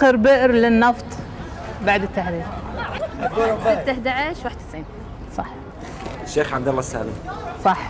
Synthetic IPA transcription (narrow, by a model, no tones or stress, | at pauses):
ɪɾbɪʔɾlɪnːɑft̪ˤ | baʕd̪ɪt̪ːahɾiːb | sɪt̪ahd̪aʕaʃwaħd̪̚t̪ɪsʕiːn | sˤɑħ | ʃːeːxʕab̚d̪alˤːɑsa̰ːlɪmsˤɑħ